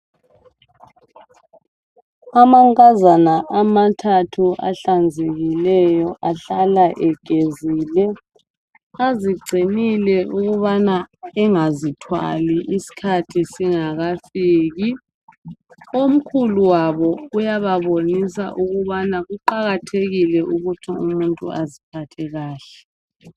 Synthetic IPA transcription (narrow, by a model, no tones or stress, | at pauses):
amaŋkʼazanaʔamatʰatʰuʔa̰ɬand͡zʱeɣilɛjɔʔaɬalaʔɛɡ̥ʱeziːlɛ | aziɡ͡ǀʱinilɛuɣuβanaɛŋazitʰwa̰liʔisi̥kʰatʰisiŋaɣafiːɣi | om̩kʰuluwaβɔujaβaβonisa̰ʔuɣuβanaɣuǃaɣatʰeɣilɛuɣutʰiumuntʼṵazipʰatʰɛɣaːɬɛ̥